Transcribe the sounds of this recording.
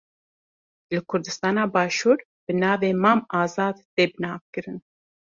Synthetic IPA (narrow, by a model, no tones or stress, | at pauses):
lɨkʰʊɾd̪ɨst̪ɑːnɑːbɑːʃuːɾ | b̥ɨnɑːveːmɑːmɑːzɑːd̪t̪eːbɨnɑːvkɨɾɨn